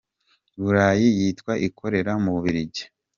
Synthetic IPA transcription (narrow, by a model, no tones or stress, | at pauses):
βuɾaːjijitkwaʔikʰo̞ɾe̞ɾamuβuβiɾiɟe̥